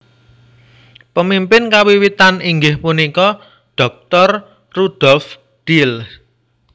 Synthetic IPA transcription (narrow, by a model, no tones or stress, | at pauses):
pəmimpɪnkawiwit̪aniŋɡɪhpunikɔ | ɖ̥ɔ̤k̚t̪ɔr | rud̪̥ɔlf | ɖ̥il